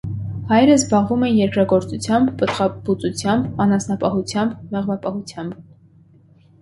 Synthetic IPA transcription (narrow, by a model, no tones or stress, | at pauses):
hɑjɾəzbɑʁvumɛnjɛɾkɾɑɡɔɾt͡sut͡sʰjɑmbːət̪ʁɑbut͡sut͡sʰjɑmbɑnɑsnɑpɑɦut͡sʰjɑmbmɛʁvɑpɑhut͡sʰjɑmb